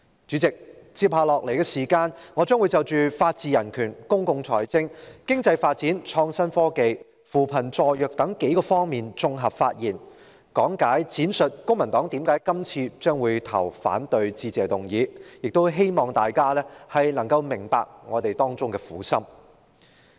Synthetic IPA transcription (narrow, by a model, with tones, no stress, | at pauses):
t͡ʃy˨˥t͡sɪ˨k̚t͡sʰiː˧p̚haː˧lɔː˨k̚le˨˩jkɛ˧siː˨˩kaː˧nŋɔ˨˧t͡ʃœː˥ŋwu˨˧jt͡sɐ˨˧wt͡ʃyː˨faː˧t̚t͡siː˧jɐ˨˩nkʰyː˨˩nkʊ˥ŋkʊ˧ŋt͡sʰɔ̰ː˨˩jt͡sɪ˥ŋkɪ˥ŋt͡sɐ˧jfaː˧t̚t͡siː˨˥nt͡ʃʰɔː˧ŋsɐ˥nfɔː˥ke˨˧j | fuː˨pʰɐ˨˩nt͡sɔː˨jœː˨k̚t̪ɐ˨˥ŋke˨˥jkɔː˧fɔː˥ŋmiː˨nt͡sʊ˧ŋɦɐ˨p̚faː˧t̚jiː˨˩n | kɔː˨˥ŋkaː˨˥jt͡sʰiː˨˥nsɵ˨t̚kʊ˥ŋmɐ˨˩nt̪ɔː˨˥ŋt̪iː˨˥mkaː˨˥jkɐ˥mt͡sʰiː˧t͡ʃœː˥ŋwuː˨˧jt̪ʰɐ̰˨˩wfa̰ː˨˥nt̪ɵ˧ɥt͡siː˧t͡sɛː˨t̪ʊ˨˩ŋjiː˨˧jɪ˨k̚t̪o˥wɦe˥jmɔː˨˩ŋt̪aː˨jkaː˥lɛː˥hɐ˨jnɐ˨˩ŋkɐ˧wmɪ˨˩ŋpa̰ː˨k̚ŋɔ̰ː˨˧t̪e˨jt̪ɔː˥ŋt͡sʊ˥ŋkɛː˧fuː˨˥sɐ˥m